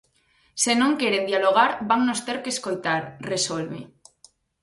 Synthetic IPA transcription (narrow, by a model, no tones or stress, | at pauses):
senõŋkeɾend̪ialoɣ̞aɾbaŋnost̪eɾkeːskojt̪aɾresolβḛ